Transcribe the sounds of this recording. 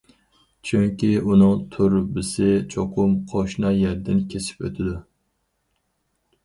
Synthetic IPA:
t͡ʃʰyŋkʲiunɨŋt̪ʰʊɾbɪsɪt͡ʃʰoqʰʊmqʰoʃnɑjɛɾd̪ɪnkʲʰesɪ̥pø̰t̪ʰɪd̪ʊ

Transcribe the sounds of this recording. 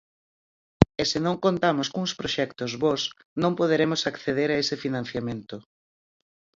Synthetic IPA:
esɪnõŋkont̪amoskuŋspɾoʃɛkt̪ozβɔs | nõmpoðeɾemʊsakθeðeɾaesɪfinãn̟θjamẽnt̪ʊ

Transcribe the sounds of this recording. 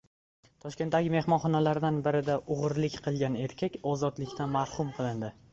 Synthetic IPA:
t̪ʰɒʃkʲe̞nt̪ːaɡʲɪme̞hmɒnχɒnalaɾd̪anbɪɾɪd̪aʔʊʁɨɾlɪkʲqʰɨlˠɡʲane̞ɾkʲʰakʲɒzɒd̪lɪkʲt̪ʰanmaɾhʊmqʰɨlˠɪnd̪ɪ

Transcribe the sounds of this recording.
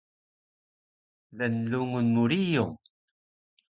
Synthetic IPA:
lænlːuŋunmuɾiju

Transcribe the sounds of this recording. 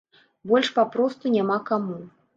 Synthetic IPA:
bɔlʲʂpapɾɔst̪unʲamakamu

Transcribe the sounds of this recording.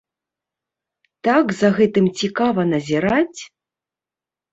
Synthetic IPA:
t̪aɡzɐɣɛt̪ɨmt͡sʲikavɐnɐzʲiɾat͡sʲ

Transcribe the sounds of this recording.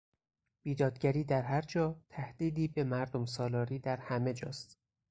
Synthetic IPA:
b̥iːd̪ɒːd̪̚ɟæɾiːd̪æɾɦæɾd͡ʒɒːt̪ʰæhd̪̥iːd̪iːbe̞mæɾd̪o̞msɒːlɒːɾiːd̪æɾhæme̞d͡ʒɒ̰ːst̪

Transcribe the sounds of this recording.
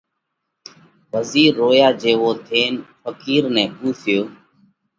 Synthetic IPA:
ʋəziːɾːoːjaːd͡ʒeːʋoːt̪ʰeːnfəkiːɾnɛ̃ːpuːt̪ʰɪjoː

